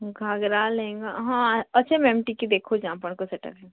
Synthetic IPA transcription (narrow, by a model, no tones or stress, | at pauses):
ɡʱaːɡɾalẽːŋɡaɦãɐtːʃʰemɛ̃mʈikid̪eːkʰod͡ʒãːpəɳ̃kosɛʈə̰pɦɛ̃